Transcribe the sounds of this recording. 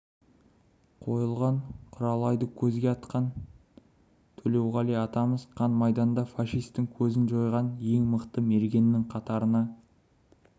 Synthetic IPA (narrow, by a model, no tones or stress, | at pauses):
qʰo̞jəlˠʁɑɴqʰʊɾɑlˠɑjd̪əkʲʰɵzɡʲeɑt̪qɑn | t̪ʰɵle̞wʁɑlejɑt̪ɑməzqʰɑnmɑjd̪ɑnd̪ɑfɑʃijst̪ːɪŋkʲʰɵzɪnʒo̞jʁɑnje̞ŋməqt̪əme̞ɾɡʲe̞nːɪŋqʰɑt̪ɑɾənɑ